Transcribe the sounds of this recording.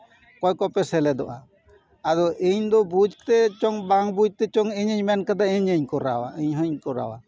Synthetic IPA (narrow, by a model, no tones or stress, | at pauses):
kɔjkɔpɛsɛlɛd̪ɔʔa | ad̪ɔʔiɲd̪ɔbud͡ʒt̪ɛt͡ʃɔŋbaŋbud͡ʒt̪ɛt͡ʃɔŋiɲəɲmɛnkad̪aiɲəɲkɔɾa̰wa̰iɲɦəɲkɔɾa̰wa̰